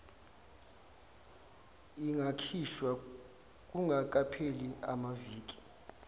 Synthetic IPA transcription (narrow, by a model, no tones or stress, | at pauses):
iŋɡʱakʰiʃwa | k̬ʼuŋɡʱak̬ʼapʰelia̰maviːk̬ʼi̥